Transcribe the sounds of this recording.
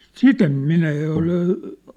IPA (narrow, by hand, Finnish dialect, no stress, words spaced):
sit em minæ jɑ ol